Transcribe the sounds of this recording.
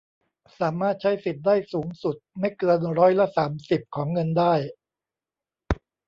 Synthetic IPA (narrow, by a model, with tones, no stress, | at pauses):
saː˩˦maː˥˩t̪̚t͡ɕʰa˦˥jsi˨˩t̪̚daː˥˩jsuː˩˦ŋsu˨˩t̪̚ma˥˩jkɤː˧nɾɔː˦˥jla˧˥saː˩˦msi˨˩p̚kʰɔː˩˦ŋːɤ˧ndaː˥˩j